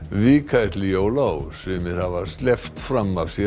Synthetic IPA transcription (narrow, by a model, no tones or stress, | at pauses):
vikʰat̪lɪjoːwlawsʏmɪð̥havast̪lɛft̪fɾamːav̥sjɛ